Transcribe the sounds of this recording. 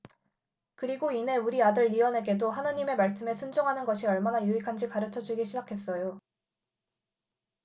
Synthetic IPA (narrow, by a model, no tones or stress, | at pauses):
kɯɾiɡoine̞uɾiadɯɭːiwʌnɦe̞ɡe̞doɦanaɲime̞maɭs͈ɯme̞sʰund͡ʑoŋɦanɯnɡʌɕʰiʌɭmanajuikʰand͡ʑikaɾɯt͡ɕʰʌd͡ʑuɡiɕʰid͡ʑakʰe̞s͈ʌjo